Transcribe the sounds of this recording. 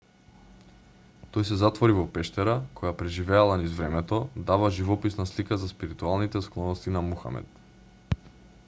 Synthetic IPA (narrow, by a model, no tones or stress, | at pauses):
t̪ɔjsɛzat̪vɔɾivɔpɛʃt̪ɛɾakʰɔjapɾɛʒivɛalˠanizvɾɛmɛt̪ɔd̪avaʒivɔpisnaslikazaspiɾit̪ualˠnit̪ɛsklˠɔnɔst̪inamuxa̰mɛ̰t̪